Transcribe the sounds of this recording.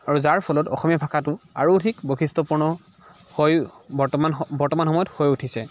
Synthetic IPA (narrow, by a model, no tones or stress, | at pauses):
aɹuzaɹpʰɔlɔtɔ̰xɔmijapʰakʰatʊa̰ɹuːtʰikboxistɔpuɹnɔ | hojabɔɹtɔmanxɔmɔjɔthojutʰisɛ